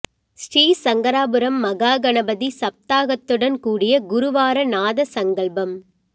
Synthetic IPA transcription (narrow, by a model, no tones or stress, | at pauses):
sɾiːsɐŋɡɐɾaːbɯɾɐmːɐɣaːɡɐnɐbɐðisɐp̚t̪aːɣɐt̪ːɯɽɐnkuːɽɪjɐɡʊɾʊʋaːɾɐnaːðɐsɐŋɡɐɭbɐm